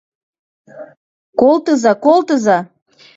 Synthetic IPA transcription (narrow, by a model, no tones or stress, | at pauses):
kolˠt̪əzɑkolˠt̪əzɑ